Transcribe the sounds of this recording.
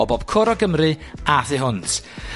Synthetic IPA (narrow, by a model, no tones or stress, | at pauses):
ɔbɔb̥kʰʊɾɔɡəmrɨaθɪɦʊnt